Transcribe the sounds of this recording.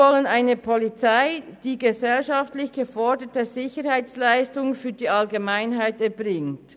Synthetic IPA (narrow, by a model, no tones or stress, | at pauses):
ɔlənaɪnəpʰɔlit͡saɪd̥iːɡəzɛlʃaftlɪçɡ̥əfɔɹdətəzɪçəɾhaɪt͡slaɪstʊŋfyːɐdiːʔalɡəmaɪnɦaɪtɛɐbʁɪŋt